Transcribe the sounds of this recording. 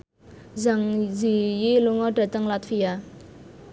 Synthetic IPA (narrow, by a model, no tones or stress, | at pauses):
zaŋzijiluŋɔɖ̥a̤t̪əŋlat̪fia